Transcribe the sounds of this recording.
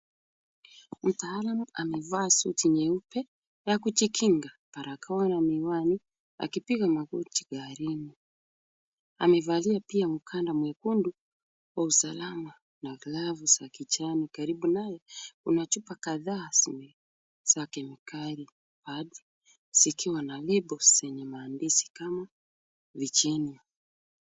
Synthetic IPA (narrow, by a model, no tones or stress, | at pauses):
m̩taːlamuamɛvaːsṵtiɲɛupɛ | jakut͡ʃikʰiŋɡa | paɾakʰawanamiwani | a̰kipiɣamaɣutiɡaɾini | a̰mɛvaliapiamukʰandamwɛkundu | wausalama | navilavusakit͡ʃanikaɾiɓunajɛṵnat͡ʃupakaðaːsimɛ | sakɛmikaɾi | paɗi̥ | sikiwanalɛɓɔsɛɲɛmaːndisi̥kama | vit͡ʃɛnia